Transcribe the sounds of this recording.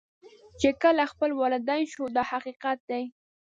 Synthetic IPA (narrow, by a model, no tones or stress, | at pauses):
t͡ʃekəlaxpəlwɑlɪd̪ɑnʃod̪ɑhaqiqat̪̚d̪aj